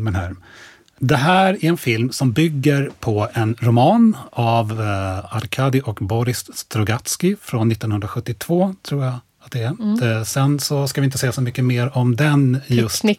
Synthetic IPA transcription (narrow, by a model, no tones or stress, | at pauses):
mɛnɦæːɾ | d̪ɛɦæːɾæɾɛnfɪlmsɔmbʏɡːəɾpʰɔɛnɾʊmɑːnavaɾkʰɑːd̪ɪʔɔkbɔɾɪsst̪ɾɔɡat̪skɪfɾonːɪt̪ːɔnhɵnɾaɧɵt̪ːɪt̪ʰvoːt̪ʰɾuːɾja | at̪̚d̪ɛæsɛnsɔskavɪnt̪əsɛjːasɔmʏkːəmeːɾɔmd̪ɛnjɵst̪